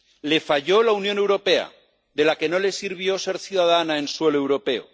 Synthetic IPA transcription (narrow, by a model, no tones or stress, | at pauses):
le̞faʎo̞launjo̞ne̞wɾo̞pe̞a̰ | ðe̞lake̞no̞le̞siɾβ̞jose̞ɾθjuðað̞anaenswe̞loewɾo̞pe̞o̰